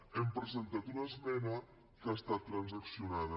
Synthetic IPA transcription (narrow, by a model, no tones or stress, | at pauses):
empɾezent̪at̪unaezmɛnə | kast̪at̪ːɾanzaksiunað̞ə